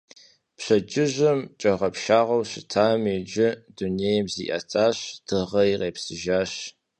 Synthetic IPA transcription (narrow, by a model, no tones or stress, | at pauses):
pɕɐd͡ʒɪʑɐmt͡ʃʼɐʁɐpʃaːʁɐwɕɪtʰaːmiːd͡ʒɪduneːjmzḭːʔɐ̰tʰaːɕd̥ʰɨʁɐiʁeːpsɨʒaːɕ